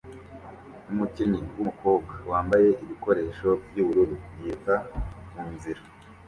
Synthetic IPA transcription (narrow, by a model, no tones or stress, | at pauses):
umuciniwumuko̞ːb̚ɡawaːmbaje̞ʔiβiko̞ɾe̞ːʃo̞bjuβuɾuɾujikamuːnziɾa